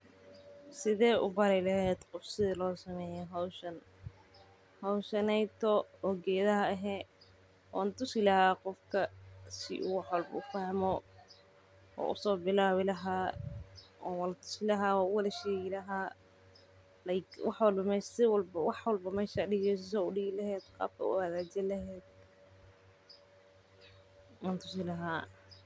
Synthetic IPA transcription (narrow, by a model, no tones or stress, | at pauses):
sɪðɛːʔʊ̰bɐɾɛlɐɦɛːd̪qɔfsɪðɪlɔːsɐmɛːjɛɦɐwʃɐn | hɐwʃɐnɛjt̪ʰɔɔːɡɛːðɐɦɐɐɦɛː | ʔɔːnt̪ʰʊsɪlɐhaːqɔfkʰɐsɪ̰ʔʊ̰wɑħwɐlbɐʊfɐhmɔ | ɔ̰ːʔʊ̰sɔːbɪlaːwɪlɐɦaː | ɔːwɐlt̪ʰʊ̥sɪlɐɦaːɔːʊwɐlɐʃɛːɣɪlɐɦaː | lɐɪwɑħwɑlbɐmɛːʃsɪwbwɑħwɐlbɐmɛːʃaɖɪɣɛs̬ɪs̬ɔʊɖɪɣɪlɐɦɛːd̪qɑ̰ːb̚kʰɐ̰ʊ̰ɐðaːd͡ʒɛlɐɦɛːd̪̥̚ | waːnt̪ʰʊsɪlɐɦaː